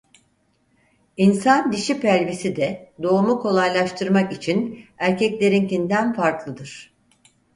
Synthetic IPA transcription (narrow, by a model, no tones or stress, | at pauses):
insand̪iʃipʰæɾʲvisid̪ɛd̪o̞umukʰo̞lˠajlˠaʃt̪ʰɯɾmakit͡ʃʰinæɾcɛclʲe̞ɾincind̪ænfaɾklˠɯd̪ɯɾ̥